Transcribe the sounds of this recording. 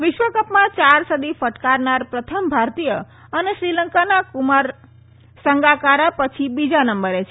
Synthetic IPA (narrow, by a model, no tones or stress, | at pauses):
ʋɪʃʋəkəpmãt͡ʃaɾsəd̪ifəʈkaɾnaɾpɾət̪ʰəmbʱaɾt̪ijə | əneʃɾiləŋkanakumaɾ | səŋɡakaɾapət͡ʃʰibid͡ʒanəmbəɾet͡ʃʰe